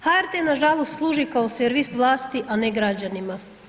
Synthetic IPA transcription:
haeɾt̪enaʒalˠost̪slˠuːʒikaoseɾʋist̪ʋlˠaːst̪iʔaneɡɾad͡ʑanima

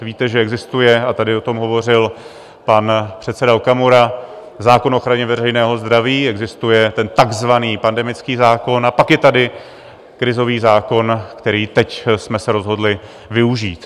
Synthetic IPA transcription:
viːt̪ɛʒɛɛɡzɪst̪ujɛat̪adɪo̞t̪o̞mɦo̞vo̞r̝ɪl | panpr̥ɛt̪sɛdaokamuɾa | zaːko̞no̞xɾaɲɛvɛrɛjnɛːɦo̞zd̪ɾaviːɛɡzɪst̪ujɛt̪ɛnt̪aɡzvaniːpandɛmɪt͡skiːzaːko̞napakjɛt̪adɪ | kɾɪzo̞viːzaːko̞nkt̪ɛɾiːt̪ɛcsmɛsɛɾo̞zɦo̞dlɪ | vɪuʒiːt̪

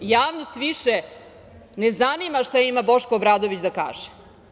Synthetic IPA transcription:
jaːʋnost̪ʋiʃe | nezanimaʃt̪ajimabo̞ʃkoːbɾaːd̪oʋit͡ɕd̪aka̰ːʒ̥e̥

